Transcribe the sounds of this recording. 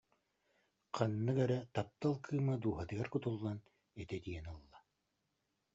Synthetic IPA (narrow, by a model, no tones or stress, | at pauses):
qʰanːɯkɛɾɛt̪ap̚t̪alˠkʰɯːmad̪uːɦat̪ɯɡaɾkut̪ulˠːan | ɛt̪ɛd̪iɛnɯlˠːa